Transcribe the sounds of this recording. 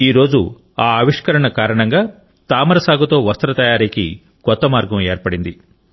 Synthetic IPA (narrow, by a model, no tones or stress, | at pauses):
iːɾo̞ːd͡ʒṵ | aːɐʋiʂkɐɾɐɳɐkaːɾɐɳɐŋɡaː | t̪aːmɐɾɐsaːɡɐt̪oːʋɐst̪ɐɾɐt̪ɐjaːɾikḭ | kɔt̪ːɐmaːɾɡɐmeːɾpɐɽind̪i